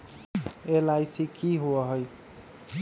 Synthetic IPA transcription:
elajsikiɦoaɦʌj

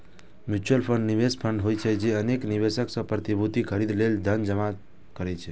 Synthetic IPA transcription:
mjut͡ʃəlpʰəɳɖniʋespʰəɳɖɦojt͡ʃʰɛd͡ʒeənekniʋesəksə̃pɾət̪ibʱut̪ikʰəɾid̪leld̪ʱənd͡ʒəma | kəɾɛt͡ʃʰɛ

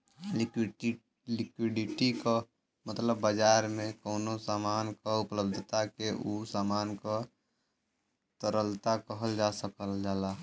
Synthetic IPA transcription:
k | lɪkwiɖiʈiko | mət̪ləbːəd͡ʒaːɾmẽkoːnosaːmaːnkaupləbd̪ʱət̪akeʔusaːmaːnka | t̪əɾəlt̪akəɦəld͡ʒasəkəld͡ʒaːla

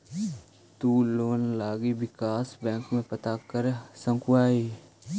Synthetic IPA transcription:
t̪uːloːnlaːɡibɪkaːsbɛ̃ːŋkmẽpət̪akəɾsə̃ŋkʊaːi

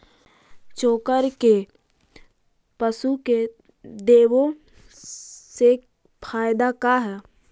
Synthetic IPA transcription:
t͡ʃoːkəɾke | pəsuke | d̪eːwo | se | pʰaːjd̪akaɦɛː

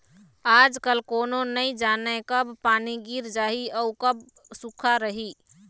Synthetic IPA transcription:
ad͡ʒkəlkoːnonəid͡ʒanəkəbpaniɡiɾd͡ʒaːɦiəukəb̚ | sukʰaɾəɦi

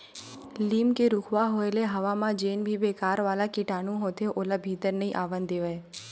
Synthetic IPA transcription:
liːmkeɾʊkʰʋaɦoeleɦɐʋamãd͡ʒeːnbʱibeːkaːɾʋaːlakiʈaːnũɦoːt̪eʔoːlabʱiːt̪əɾnəɦĩʔaːʋənd̪eːʋəe

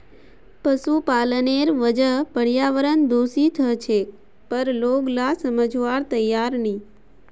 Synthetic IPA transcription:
pəsupaləneɾʋəd͡ʒəɦpəɽjaʋəɾənd̪osit̪ʰət͡ʃʰe | pəɾloɡlasəməd͡ʒʋaɾt̪əjːaɾni

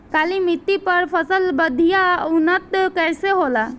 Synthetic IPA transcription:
kalimit̪ːipəɾpʰəsəlbəd̪ʱijaunət̪kəɾseɦola

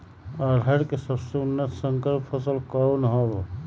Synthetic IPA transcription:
əɾɦəɾkesəbseʊnːət̪səŋkəɾpʰəsəlkɔunɦoːɾo

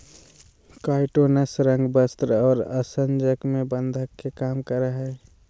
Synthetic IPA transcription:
kaːɪʈoːnəsɾə̃ŋɡbəst̪ɾɔːɾə̰sənd͡ʒəkmẽbənd̪ʱəkːekaːmkəɾəɦɛː

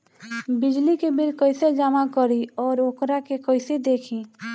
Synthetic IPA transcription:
bɪd͡ʒlikebɪlkəɪsed͡ʒamakəɾiɔːɾoːkɾakekəɪsed̪eːkʰĩː

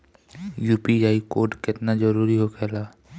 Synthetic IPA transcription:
jupiajkoɖket̪nad͡ʒɔɾuɾiɦokɛla

